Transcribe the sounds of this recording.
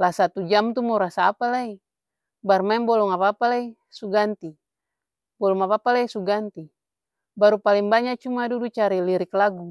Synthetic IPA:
lasat̪ud͡ʒamt̪umɔɾasaːpalai | barmaɛbɔlɔŋapapalai | suɡant̪i | bɔlɔŋapapalaisuɡant̪i | baɾupalɛŋbaɲat͡ʃumadudut͡ʃaɾiliɾiklaɡu

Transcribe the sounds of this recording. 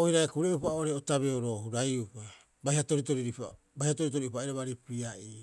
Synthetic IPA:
ojɾakuɾeupaoɾeotaβeoɾo̞ːhuɾajupa | bahiato̞ɾito̞ɾiɾipa̰ | bahihatoɾit̬o̞ɾiupaiɾaβaɾipiaʔi

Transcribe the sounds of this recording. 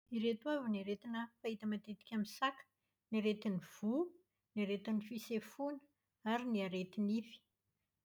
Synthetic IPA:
iɾet̪uaviniɾet̪inəfait̪əmat̪et̪i̥kʲamisakə̥ | niɾet̪iniv̥u | niɾet̪inifisefunə̥ | aɾiniaɾet̪inifi̥

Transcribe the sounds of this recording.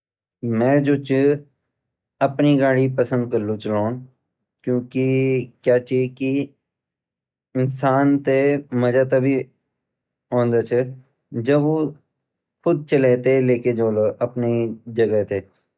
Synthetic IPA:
mɛ̃ːd͡ʒoːt͡ʃ | əpniɡaːɽiːpəsə̃nd̪̚kəɾlũːt͡ʃəloːn | kjõːkikjaːt͡ʃiki | ɪnsaːnt̪eməd͡ʒaːt̪aːbʱiː | õːnd̪aːt͡ʃʰə | d͡ʒəboː | kʰʊd̪̚t͡ʃəleːt̪eːleːked͡ʒoːloʔəpned͡ʒəɡət̪eː

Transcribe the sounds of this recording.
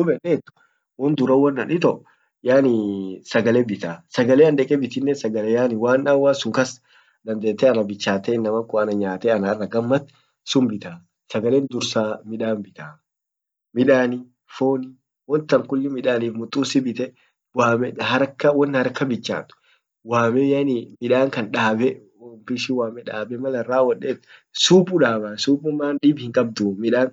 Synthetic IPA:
ʊbɛneːt̪ːʊ̥ | wɔnd̪ʊɾɐwːɐnːɐnɪt̪ɔʔ | jaːnɪsɐɡɐlebɪt̪aːsɐɡɐleːɐnd̪ɛkʼɛbɪt̪ɪnːɛsɐɡɐlejaːnɪwaːnawːaːsʊŋkɐs | d̪ɐnd̪eːt̪ːɛɐnɐbɪt͡ʃːaːt̪eːɪnːɐmɐŋkʼʊɐnɐɲaːt̪eːɐnɐrːɐɡɐmːɐt̪ː | sʊmbɪt̪aː | sɐɡɐleːnd̪ʊɾsaːmɪᶑaːnbɪt̪aː | mɪᶑaːni | foːnɪ | wɔnt̪ːɐmkʊlːɪmɪᶑaːniːfmʊt̪ʼːuːsɪbɪt̪ɛ | waːmɛhɐɾkːɐwɔnːhɐɾkːɐbɪt͡ʃːa̰ːt̪ʊ̥ | waːmɛjɐnimɪᶑaːŋkɐnᶑaːbɛ | ɔmpɪsɪwaːmɛᶑaːbɛmɐlɐrːaːwɐᶑeːt̪ːsuːpʼʊᶑaːbaːsuːpʼːʊmːaːnᶑɪbhɪŋkʼɐb̚d̪uːmɪᶑaːn

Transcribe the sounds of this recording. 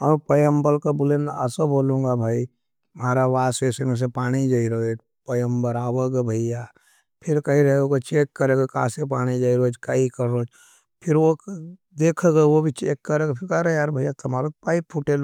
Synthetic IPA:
əpəjəmbəlkabʊlẽnəsoboːlũŋɡabʱaːi | maːɾaʋaːseːsemes̬epaːɽ̃id͡ʒaːiɾoe | pəjəmbəɾaːwəɡebʱəɪja | pʰɪɾkɐɦĩɾɐoɡot͡ʃeːkːəɾeːɡekã̰ːsep̬aːɽ̃id͡ʒaːiɾod͡ʒkaikəɾoːt͡ʃ | pʰɪɾwod̪eːkʰeɡeʋobʱit͡ʃeːkːəɾeɡepʰɪɾkəɾjaːɾbʱəjat̪ɐmaːɾopaːipʰːʊʈel

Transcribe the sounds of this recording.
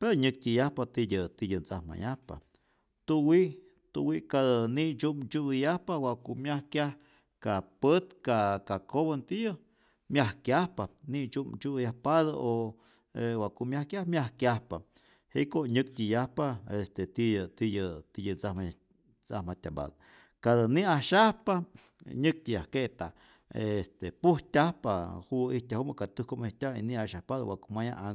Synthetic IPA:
peɾoɲɨk̚tʲijahpat̪ijət̪ijɨnt͡sahma̰jahpa̰ | t̪uwiʔ | t̪ṵwiʔkad̪əniʔt͡ʃumt͡ʃuɨjahpawakumjahkʲjah | kapət̪kakakoβant̪ijə | mjahkjʲahpanit͡ʃumt͡ʃujahpaðaʔo | ewaʔkumjahkʲjahmʲjahkjʲahpa̰ | hekoʔɲɨk̚t̪ʲijahpaest̪et̪it̪ijət̪ijət͡sama | t͡sahmat̪ʲamba̰d̪ | kad̪əniaʃahpa | ɲɨk̚t̪ʲijakeʔt̪a | est̪epuht̪ʲahpahuit̪ʲahumakat̪ɨhkomit̪ʲaḭniaʃahpad̪awakumaja̰ʔaŋ

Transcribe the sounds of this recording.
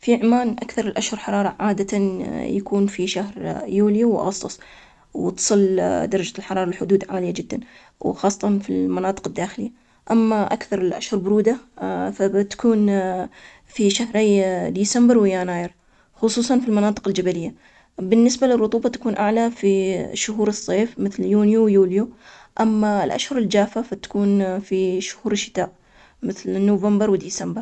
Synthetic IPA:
fiʕmaːnʔakθɑɾˤɪlʔaʃhʊɾħɑɾˤɑːɾˤɑʕaːd̪at̪ajakuːnfiʃahɾjuːliwʔɑ̰ɣɑsˤt̪ˤʊsˤ | wt̪sˤɨld̪ɑɾˤɑd͡ʒalħɑɾˤɑːɾˤɑlħʊd̪uːd̪ʕaːlɪjːad͡ʒɪd̪ːan | wxɑːsˤːɑt̪ˤɑnfilmanɑːt̪ˤɨ̥qɪd̪ːaːxɪlɪjːa | ʔamːaʔakθɑɾˤɪlʔa̰ʃhʊɾbʊɾuːd̪afat̪ḁkuːn | fiʃahɾajd̪iːsambɪɾwɪjaːnaːjɪɾ | xʊsˤuːsˤɑnfilmɑnɑːt̪ˤɨ̥qɪld͡ʒabalɪjːa | bɪnːɪsbalɪrˤːʊt̪ˤuːbɑt̪ḁkuːnʔaʕlafiʃʊɦuːɾɨsˤːeːfmɪθljuːnjuwjuːlju | ʔamːalʔa̰ʃhʊɾˤɪld͡ʒaːfafat̪ḁkuːnfiʃʊ̥huːɾɪʃːɪ̥t̪aːʔ | mɪθlnːoːvambɾwɪd̪iːsambɑɾ

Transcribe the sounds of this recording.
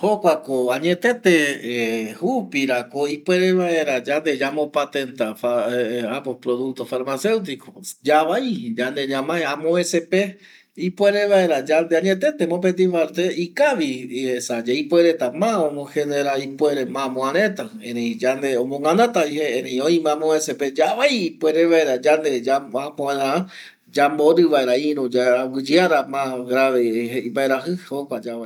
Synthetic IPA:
hokʷakoaɲet̪et̪e | hupiɾakoipweɾeβaeɾad͡ʒand̪ed͡ʒamõpat̪ent̪afaapopɾoðuk̚t̪ofaɾmase̞wt̪̬ikod͡ʒaβaid͡ʒand̪eɲãmãeamoesepe | ipweɾeβaeɾad͡ʒand̪eaɲet̪et̪emop̬et̪̬ifaɾt̪eikaʋihesad͡ʒeipweɾet̪amãõmõheneɾaipweɾemãmõãɾẽt̪a | ẽɾẽĩd͡ʒand̪eõmõŋãnãt̪aiheeɾeĩõĩmãmõeseped͡ʒaβajipweɾeβaeɾad͡ʒand̪ed͡ʒaãpõẽðãã | d͡ʒamboɾɨβaeɾaiɾod͡ʒawɨd͡ʒɨaɾamãɡɾaʋeɦeimbaeɾaɦɨhokad͡ʒaa

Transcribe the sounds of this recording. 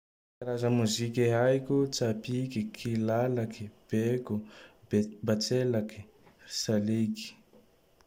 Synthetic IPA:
kaɾazəmuzikʲiɦajkʲut͡sapikikʰilalakib̥eku | bat͡selaki̥ | saliki̥

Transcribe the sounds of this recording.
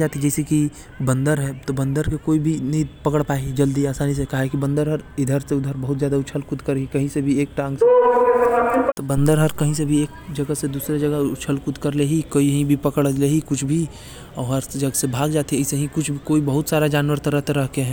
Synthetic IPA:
d͡ʒaːt̪id͡ʒɛːɪseki | bɐ̃nd̪əɾɦɛːt̪obɐ̃nd̪əɾkekoːibʱinɐĩpɐkəɽpaːed͡ʒəld̪iaːsaːnis̬ekaɦaekibɐ̃nd̪əɾɦəɾɪd̪ʱəɾseʊd̪ʱəɾbəɦʊt̪zjaːd̪aʊt͡ʃʰəlkʊd̪kəɾikɐɦĩsebʱieːk̚ʈãːŋɡs | t̪obɐ̃nd̪əɾɦəɾkɐɦĩsebʱieːk̚d͡ʒɐɡəsed̪uːsɾed͡ʒɐɡəʊt͡ʃʰəlkʊd̪kəɾleɦikoːiɦĩbʱipɐkəɽleɦikʊt͡ʃʰbʱi | ɔːɾɦəɾd͡ʒəɡəsebʱaːɡd͡ʒaːt̪iəseɦĩkʊt͡ʃʰbʱikoːibəɦʊt̪saːɾad͡ʒaːnwəɾt̪əɾəɦt̪aɾɐɦkeɦɛ̃ː

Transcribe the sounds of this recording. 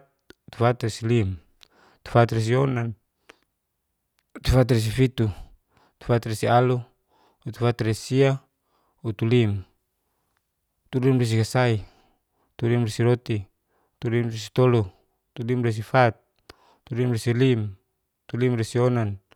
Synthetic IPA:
t̪t̪u̥fat̪resilim | t̪u̥fat̪res̬ionan | t̪ufat̪res̬ifit̪u | t̪u̥fat̪resialu | ut̪u̥fat̪resia | ut̪ulim | t̪ulimres̬ikasai | t̪ulimresiɾot̪i | t̪ulimresi̥t̪olu | t̪ulimres̬ifat̪̚ː | ulimresilim | t̪ulimresionan

